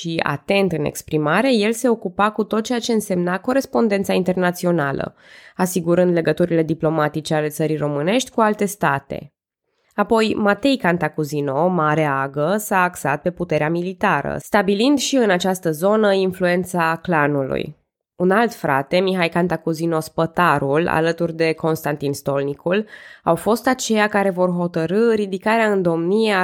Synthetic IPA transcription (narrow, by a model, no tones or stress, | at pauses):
ʃia̰t̪e̞nt̪ɨnḛkspɾimaɾe̞je̞lse̞o̞kupakut̪o̞t̪̚t͡ʃeat͡ʃe̞ɨnse̞mnako̞ɾe̞spo̞nd̪e̞nt̪saint̪e̞rnat̪sio̞nalə̰ | asiɡuɾɨnd̪le̞ɡət̪uɾile̞d̪iplo̞mat̪it͡ʃe̞ale̞t̪səɾijɾo̞mɨne̞ʃt̪ʲkualt̪e̞st̪at̪e̞̰ | apo̞jmat̪e̞jkant̪akuzino̞maɾe̞aɡəsaːksa̰t̪̚pe̞put̪e̞ɾeamilit̪aɾə̰st̪abilind̪ʃiɨnat͡ʃast̪əzo̞nəinflue̞nt̪saklanulṵj | unalt̪fɾa̰t̪e̞miɦajkant̪akuzino̞spət̪aɾula̰lət̪urd̪e̞kʰo̞nst̪ant̪inst̪o̞lnikʰulawfo̞st̪at͡ʃe̞jakaɾe̞vo̞rɦo̞t̪əɾɨɾid̪ikaɾeaɨnd̪o̞mnia